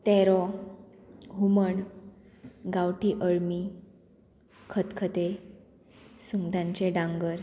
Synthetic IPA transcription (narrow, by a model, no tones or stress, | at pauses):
t̪ɛɾɔ | ɦuməɳ | ɡawʈiːʔəɭmi | kʰət̪kʰət̪e | suŋd̪ãɲt͡ɕeɖãŋɡəɾ